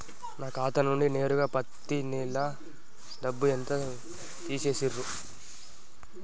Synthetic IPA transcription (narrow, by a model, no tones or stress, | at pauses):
naːkaːt̪ɐnnuɳɖine̞ːɾuɡaːpɐt̪ːinilɐ | d̪ɐbːuent̪ɐ | t̪iːseːsirːu